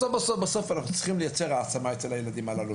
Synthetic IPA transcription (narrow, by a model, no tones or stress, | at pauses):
ofbasofbasofanaχnu̥t͡siχimləjat͡sɛɾaːt͡samajtɛlajeladimalalu